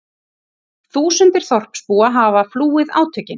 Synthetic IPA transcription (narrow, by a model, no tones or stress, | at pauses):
θuːsʏnt̪ɪɾ̥θɔr̥pspuːaɦavafluːɪða̰ːwt̪ʰœcɪn